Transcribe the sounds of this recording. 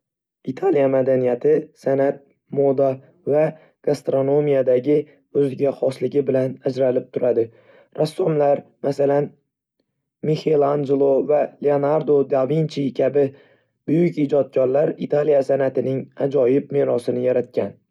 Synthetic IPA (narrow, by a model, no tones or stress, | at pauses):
it̪ʰalijamad̪anijat̪ʰɪsanat̪̚ | mod̪a | va | ɡ̥ast̪ɾo̞no̞mijad̪aɡʲɪ | ɵzɪɡʲaχɒslɪɡʲɪbɪlanad͡ʒɾalɪp̚t̪ʰʊɾad̪ɪ | ɾasːɒmlaɾmasalan | mehelˠand͡ʒelˠovaleonaɾd̪od̪avint͡ʃʰikʲʰabɪ | bʊjʊkʲid͡ʒɒt̪̚kʰʲɒɾlaɾit̪ʰalijasanat̪ɪnɪŋad͡ʒɒjɪp̚meɾɒsɪnɪjaɾat̪̚kʲʰan